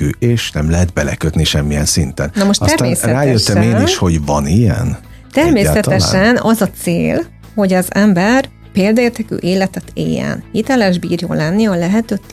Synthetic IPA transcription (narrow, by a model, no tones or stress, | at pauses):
yeːʃnɛmlɛɦɛt̪̚bɛlɛ̰køt̪niʃɛmːijɛnsint̪ɛnnɒmoʃt̪sɛrameːsrɛaːjøt̪ːɛmeːniʃho̞ɟvɒnijɛ̰n | t̪ɛrmeːasɛt̪ɛʃɛnɒzɒt̪seːl | ho̞ɟɒzɛmbɛr | peːld̪ɒeːrt̪ɛky̰ːʔeːlɛt̪ɛt̪ʰḛːjɛ̰nhit̪ɛlɛʒbiːrjoːlːɛnːiɒlɛɦɛt̪øːt̪ː